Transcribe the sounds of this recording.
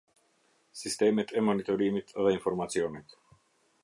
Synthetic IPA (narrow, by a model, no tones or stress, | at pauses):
sist̪ɛmɛt̪ʰɛmɔnit̪ɔɾimit̪ðɛinfɔɾmasiɔːnɛt̪